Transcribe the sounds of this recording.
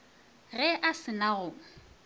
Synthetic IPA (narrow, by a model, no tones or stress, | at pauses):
ɣɛʔasɪnaɣʊŋ̩